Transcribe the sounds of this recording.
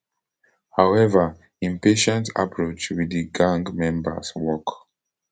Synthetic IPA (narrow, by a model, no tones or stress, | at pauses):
haʊɛvə | ĩmpeʃɛ̃ntʰa̰pʰɹot͡ʃwidiɡãŋɡmɛ̃mbə̰swɔk